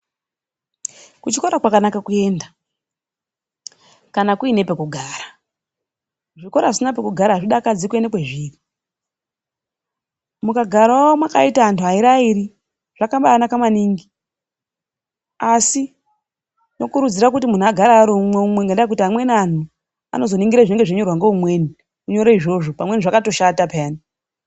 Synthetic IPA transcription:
kut͡ʃikoɾakwakanakakue̞ːnda | kanakuine̞pe̞kuɡʱaːra | ʐiko̞ɾasinap̬ekuɡʱaɾaʐiɗakad͡zikue̞nekweʐiːri | mukaɡʱaɾaomwakaitaantuɦaiɾaiɾi | ʐ̥akambaːnakamaniːŋɡi | asi | no̞kuɾud͡ziɾak̬ut̬imun̤uaɡʱaɾaɾumweumweŋɡendaek̬utiɦamwe̞nan̤u | a̰no̞zo̞niŋɡiɾaʐine̞ŋɡeʐeɲo̞rwaŋɡoumwe̞ːni | uɲo̞ɾeiʐo̞ʐo̞pamwe̞niʐakato̞ʃatapaːni

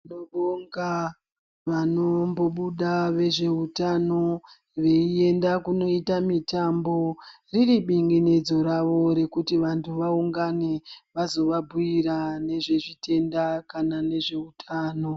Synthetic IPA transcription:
nooŋɡa | ʋano̞mbo̞ɓuɗaʋe̞ʐe̞utano̞ | ʋe̞ie̞ndakuno̞itamitambo̞ | ririɓiŋɡined͡zo̞ɾaʋo̞ɾe̞kutiʋantʰuʋauŋɡaneʋazo̞ʋabʱuiɾane̞ʐe̞ʐitʰe̞ndakanane̞ʐe̞utʰaːno̞

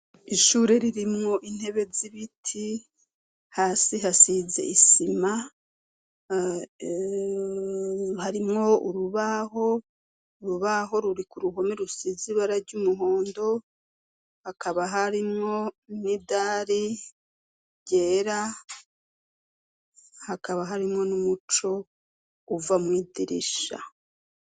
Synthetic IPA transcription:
iʃuːɾe̞ɾiɾimŋo̞ʔin̥he̞βe̞ziβitʰi | haːsiɦasize̞̰isima | haɾimŋo̞uɾuβaɦo̞ | uɾuβaɦo̞ɾuɾikuɾuɦo̞meɾusiziβaɾaɾɟumuɦo̞ːndo̞ | hakʰaβaɦaɾimŋo̞nidaːɾi | ɟeːɾa | hakaβaɦaɾimŋo̞numut͡ʃo̞ | uvamŋwiːdiɾḭʃa̰

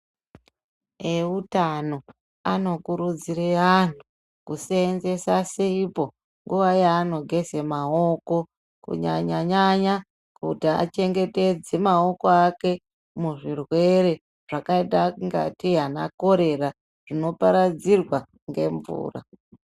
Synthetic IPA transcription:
eutano̞ | ano̞kuɾud͡ziɾean̤u | kuseːnze̞saseipo̞ | ŋɡuʋajaːno̞ɡʱe̞semaoko̞ | kṵɲa̰ɲaɲaɲa | kutia̰t͡ʃe̞ŋɡe̞te̞d͡ze̞mao̞ko̞ake̞ | muʐirwe̞ɾe̞ | ʐ̥akaitaŋɡa̰tiɦana̰ko̞ɾe̞ra | ʐ̥ino̞paɾad͡zirwa | ŋɡe̞̰ɱvṵːra̰

